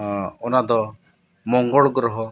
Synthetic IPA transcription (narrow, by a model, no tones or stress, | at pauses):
ɔnad̪ɔ | mɔŋɡɔɭɡɾɔɦɔ